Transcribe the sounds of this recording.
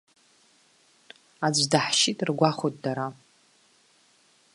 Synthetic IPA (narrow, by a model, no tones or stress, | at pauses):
ad͡ʒʷdaħʃitʼrɡʷaχot̚ʼdaɾa